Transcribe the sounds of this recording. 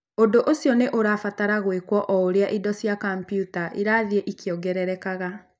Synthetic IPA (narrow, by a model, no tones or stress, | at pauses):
ondoʔosjɔneʔoɾaːfataɾaɣwekwɔʔɔoɾeaʔidɔsjakampjutaʔiɾaːðieʔikjɔɡɛɾɛɾɛkaɣa